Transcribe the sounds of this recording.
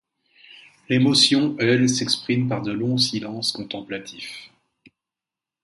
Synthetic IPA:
lemɔsjɔ̃ɛlsɛkspχimpaʁd̪əlɔ̃silɑ̃skɔ̃t̪ɑ̃plat̪ʰif

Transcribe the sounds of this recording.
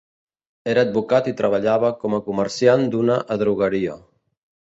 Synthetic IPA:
eɾaːd̪̚bukat̪it̪ɾaβ̞aʎaβakɔmakumeɾsjand̪unaʔaðɾuɣaɾia

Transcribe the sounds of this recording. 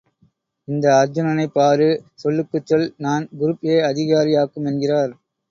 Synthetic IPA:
ɪnd̪ɐɐɾd͡ʒʊnɐnɐɪpːaːɾɯsɔlːɯkːɯt͡ʃːɐlnaːnɡʊɾɯpːeːɐðɪɣaːɾɪjaːkːɯmɛnɡɪraːɾ

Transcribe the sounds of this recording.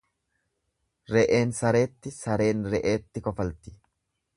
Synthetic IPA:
ɾɛʔe̞ːnsɐɾe̞ːt̪ːɪsɐɾe̞ːnɾɛʔe̞ːt̪ːɪkɔfɐlt̪ɪ̥

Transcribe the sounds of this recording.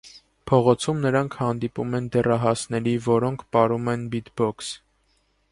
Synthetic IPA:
pʰɔʁɔt͡sʰumnəɾɑŋkʰhɑnd̪ipṵmɛnd̪ɛrɑɦɑsnɛɾivɔɾɔŋkʰpɑɾumɛnbit̪bɔks

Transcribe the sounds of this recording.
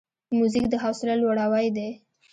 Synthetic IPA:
muzikd̪əɦawsɪlalwaɽawajd̪e

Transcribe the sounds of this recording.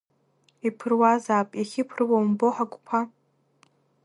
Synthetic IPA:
ipʰɨrwazaːpʼiχʲɪpʰrwowmboħaɡʷʼpʷʰa

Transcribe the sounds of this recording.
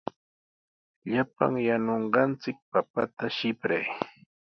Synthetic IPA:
ʎapa̰ŋjanoɴɢɑnt͡sɪk̚papa̰t̪aʃɪpɾaj

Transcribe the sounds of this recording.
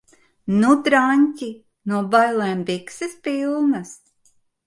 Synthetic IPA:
nud̪ɾaɲʲcʲi | nuɔbajlˠɛːmbiksispilˠnɐs

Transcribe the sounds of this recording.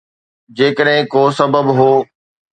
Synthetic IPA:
d͡ʑeːkəɗɦɪ̃koːsɐbəbɦoː

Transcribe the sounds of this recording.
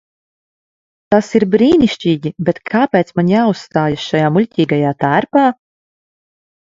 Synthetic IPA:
t̪asiɾbɾiːniʃt͡ʃiːɟʲibɛt̪kʰaːpɛːt̪smaɲjausːt̪aːjasʃajaːmulʲcʲiːɡajaːt̪æːɾpaː

